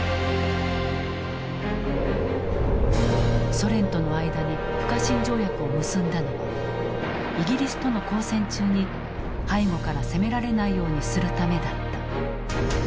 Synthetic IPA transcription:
so̞ɾẽ̞nt̪o̞no̞aid̪ad̪e | ɸɯ̟̥kaɕĩɲ̟d͡ʑo̞ːjakɯ̟o̞mɯ̟sɨ̃nd̪ano | iɡʲiɾʲisɨ̥t̪o̞no̞ko̞ːsẽ̞ɲt͡ɕɨːɲ̟i | haiŋo̞kaɾase̞me̞ɾaɾe̞naijo̞ːɲ̟isɨɾɯ̟t̪ame̞d̪at̪ːḁ

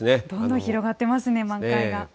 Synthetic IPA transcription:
ned̪õ̞nd̪õçiɾo̞ɡat̪ːe̞masɨne̞mãŋkaiɡa

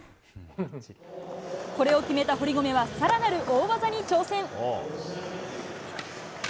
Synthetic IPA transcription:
ko̞ɾe̞o̞kʲime̞t̪aɦo̞ɾʲiɡo̞me̞βasaɾanaɾɯ̟ʔoːɡazaɲ̟it͡ɕo̞ːsẽ̞ŋ

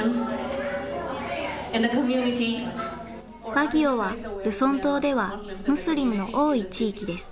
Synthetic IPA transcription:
mz | ɛ̃nd̪əkɔmjuniti | baɡʲioβaɾɯ̟sõ̞nt̪oːd̪e̞βamɯ̟sɨɾʲimɯ̟no̞ʔo̞ːit͡ɕiːkʲid̪e̞sɨ̥

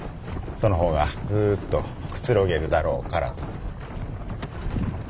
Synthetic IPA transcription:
so̞noɦo̞ːɡad͡zɨːt̪ːo̞kɯ̟̥t͡sɨɾoɡe̞ɾɯ̟d̪aɾo̞ːkaɾa̰t̪o̥

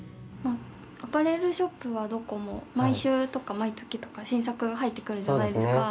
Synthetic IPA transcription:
ma | apɯɾe̞ɾɯ̟ɕo̞pːɯ̟βad̪o̞ko̞mo̞̰maiɕɨːt̪o̞kamait͡sɨ̥kʲit̪o̞̥kaɕĩɰ̃s̬akɯ̟ɡaɦait̪ːe̞kɯ̟ɾɯ̟ʑanaaid̪e̞sɨkka

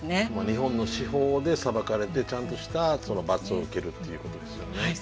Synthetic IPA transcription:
nemaɲ̟ihõ̞nːo̞ɕiho̞ːd̪e̞sabakaɾe̞t̪e̞t͡ɕãnt̪o̞ɕi̥t̪aso̞no̞bat͡sɨo̞ɯ̟ke̞ɾɯ̟t̪ːe̞jiɯ̟ko̞t̪o̞d̪e̞sɨjo̞ne

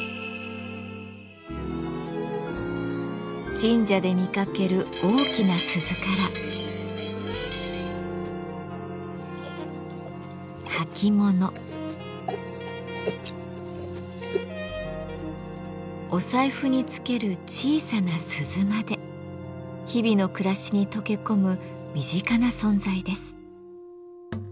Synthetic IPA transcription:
d͡ʑĩɲ̟d͡ʑad̪e̞mʲikake̞ɾɯ̟o̞ːkʲinasɨzɨkaɾa | hakʲʰimo̞no̞ | o̞saiɸɯ̟ɲ̟it͡sɨ̥ke̞ɾɯ̟t͡ɕiːsanasɨzɨmad̪e̞ | çibʲino̞kɯ̟ɾaɕiɲ̟it̪o̞ke̞ko̞mɯ̟mʲiʑikanasõ̞nd͡zaid̪e̞sɨ̥

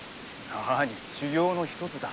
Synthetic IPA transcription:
aɾaɲ̟iɕiɡʲo̞ːno̞çi̥t̪o̞t͡sɨd̪a

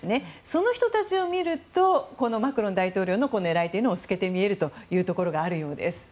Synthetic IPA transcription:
ne̞so̞no̞çi̥t̪ot̪at͡ɕio̞mʲiɾɯ̟t̪o̞ko̞no̞makɯ̟ɾõ̞nd̪ait̪o̞ːɾʲo̞ːno̞ko̞no̞e̞ɾait̪eiɯnoosɨ̥ke̞t̪e̞mʲie̞ɾɯ̟t̪o̞jɯ̟ːt̪o̞ko̞ɾo̞ɡaːɾɯ̟jo̞ːd̪e̞̰sɨ̥

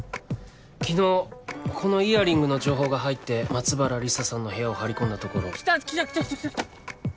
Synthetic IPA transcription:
kʲino̞ːkʰo̞no̞iaɾʲĩŋɡɯ̟no̞d͡ʑo̞ːɦo̞ːɡaɦait̪ːe̞mat͡sɨbaɾaɾʲisasãnːo̞he̞ao̞haɾʲikõ̞nd̪at̪o̞ko̞ɾo̞̥t̪akʲit̪akʲi̥t̪akʲt̪aa

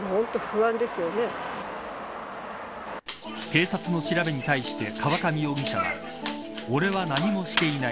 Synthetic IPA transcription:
hõnt̪oɸɯ̟βãnd̪e̞sɨjo̞ne | ke̞ːsat͡sɨno̞ɕiɾabe̞ɲ̟it̪aiɕi̥t̪e̞kʰaβakamʲio̞ɡiɕaβa̰ | o̞ɾe̞βanaɲ̟imo̞ɕi̥t̪e̞ina

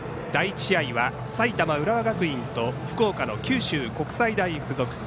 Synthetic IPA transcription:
d̪̥ait͡ɕiaiβa | sait̪amaɯ̟ɾaβaɡakɯ̟ĩnt̪o̞ɸɯ̥ko̞ːkano̞kʲɨːɕɨːko̞kɯ̟̥said̪aiɸɯ̟zo̞kɯ̟̥

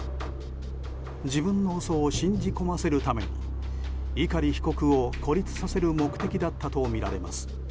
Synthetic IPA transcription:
d͡ʑibɯ̟̃nːo̞ːso̞ːɕĩɲd͡ʑiko̞mase̞ɾɯ̟t̪ame̞̰ɲ̟ḭ | ikaɾʲiçi̥ko̞kɯ̟o̞kʰo̞ɾʲit͡sɨ̥sase̞ɾɯ̟mo̞kɯ̟̥t̪e̞kʲid̪at̪ːat̪o̞mʲiɾa̰ɾe̞̰ma̰sɨ̥

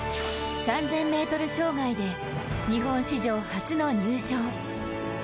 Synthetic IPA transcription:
sãnd͡zẽ̞mːe̞ːt̪o̞ɾɯ̟ɕo̞ːɡaid̪e̞ | ɲ̟iɦõ̞ɰ̃ɕiʑo̞ːhat͡sɨno̞ɲ̟ɨːɕoː

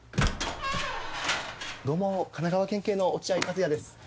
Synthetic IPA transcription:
d̪o̞mokanaɡaβakẽ̞ŋke̞ːno̞ːt͡ɕiaik̪azɨjad̪e̞sɨ̥

